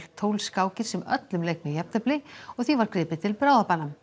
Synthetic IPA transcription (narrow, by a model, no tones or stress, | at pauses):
l̥t̪ʰːowlskaːwcɪɾ̥sɛmœ̰t̪lʏmlejk̚mɛjɛp̚nœplɪɔɣθivaɾkɾɪːpɪt̪ʰɪlpɾaːwðapanːam